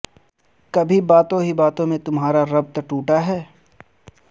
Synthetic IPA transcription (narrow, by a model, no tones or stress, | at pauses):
kɐbʱibaːt̪õɦibaːt̪õmẽt̪ʊmɦaːɾaɾɐb̚t̪ɐʈuːʈaɦɛː